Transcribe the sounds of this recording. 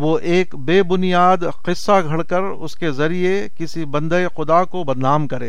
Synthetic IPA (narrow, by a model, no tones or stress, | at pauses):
ʋoːʔeːkbeːbʊnijaːd̪ | qɪsːaɡʱɐɽkɐɾ | ʊ̰skezɐɾije | kɪsibɐ̃nd̪əexʊd̪akobɐd̪naːmkɐɾḛ̃ː